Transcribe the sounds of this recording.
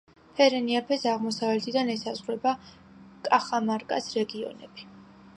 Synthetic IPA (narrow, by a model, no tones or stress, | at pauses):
pʰɛɾɛniapʰɛsaʁmɔsavlɛt̪ʰid̪anɛsazʁɾɛba | kʼaχamaɾkʼa̰sɾɛɡiɔ̰nɛ̰b̥i